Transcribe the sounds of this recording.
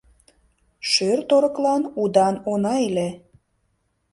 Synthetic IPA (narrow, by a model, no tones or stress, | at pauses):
ʃørt̪oɾə̆klɑnud̪ɑnonɑele